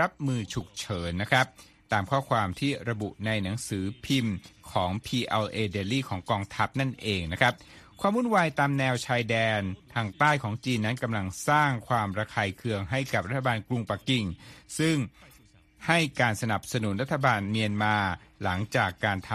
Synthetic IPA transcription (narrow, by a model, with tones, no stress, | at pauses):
ɾa˦˥p̚mɯː˧t͡ɕʰu˨˩k̚t͡ɕʰɤː˩˦nːa˦˥kʰɾa˦˥p̚ | t̪aː˧mkʰɔː˥˩kʰwaː˧mt̪ʰiː˥˩ɾa˧bṵ˨˩ʔna˧jna˩˦ŋsɯː˩˦pʰi˧mkʰɔː˩˦ŋpʰiː˧ʔɛː˧lʔeː˧deː˧liː˥˩kʰɔː˩˦ŋkɔː˧ŋt̪ʰa˦˥p̚na˥˩nʔeː˧ŋna˦˥kʰɾa˦˥p̚kʰwaː˧mhu˥˩nwaː˧jt̪aː˧mnɛː˧wt͡ɕʰaː˧jdɛː˧nt̪ʰaː˧ŋt̪aː˥˩jkʰɔː˩˦ŋt͡ɕiː˧nːa˦˥nka˧mla˧ŋsaː˥˩ŋkʰwaː˧mɾa˧kʰaː˧jkʰɯ˧əŋɦa˥˩jka˨˩p̚ɾa˦t̪ʰːa˧baː˧nklu˧ŋpa˨˩ki˨˩ŋsɯ˥˩ŋ | ha˥˩jkaː˧nsa˧na˨˩p̚sa˧nu˩˦nɾa˦˥t̪ʰːa˧baː˧nmi˧ənmaː˧la˩˦ŋt͡ɕaː˨˩kːaː˧nt̪ʰ